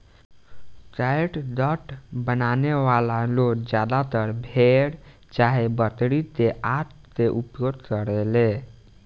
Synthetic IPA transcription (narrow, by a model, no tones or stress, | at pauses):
kajʈd̪əʈbənaneʋalalokd͡ʒjad̪at̪əɾbʱeɽ | t͡ʃaɦebət̪ɽit̪eʔaʈ | t̪eʔupjod̪kəɾele